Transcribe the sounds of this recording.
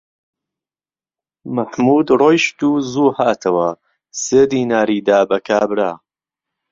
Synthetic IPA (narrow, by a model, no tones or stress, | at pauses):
mɐħmuːd̪rojʃt̪uːzuːhaːt̪ʰɐwɐ | seːd̪iːnaːɾiːd̪aːbɐkʰaːbɾaː